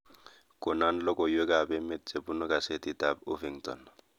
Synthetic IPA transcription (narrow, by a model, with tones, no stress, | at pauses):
kʼʊ˨na˦n̩lɔ˦kʼɔ˨jwe˦kʼa˨bɛ˦me˦t̚t͡sʼe˨bu˦nʊ˦kʼa˨se˦tʼita˦bʊ̰˦fiŋtɔ̰˨n